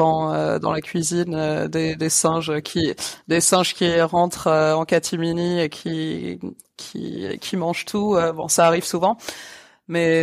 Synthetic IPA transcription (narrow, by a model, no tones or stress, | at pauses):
ɑ̃ø̰d̪ɑ̰̃lakʲɥizinød̪ed̪esɛ̃ʒøkʲʰid̪esɛ̃ʒkʲiʁɑ̃t̪χøɑ̃kat̪ʰiminiekʲʰi | kʲʰḭkʲʰimɑ̃ʒt̪ʰuøbɔ̰̃saːʁiv̥suvɑ̃ | mɛ